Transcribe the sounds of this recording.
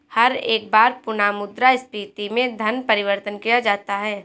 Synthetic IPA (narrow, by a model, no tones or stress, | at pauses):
hɐɾeːk̚baːɾpʊnaːmʊd̪ɾaɪst̪iːt̪imẽd̪ʱɐnpɐɾɪʋəɾt̪ənkijad͡ʒaːt̪aɦɛː